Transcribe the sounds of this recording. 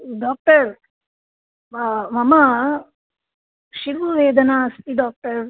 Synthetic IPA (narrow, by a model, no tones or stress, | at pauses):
ɖaːk̚ʈɐɾ | mɐma | ʃiʋuʋeːd̪ɐnaɐst̪iɖaːk̚ʈɐɾ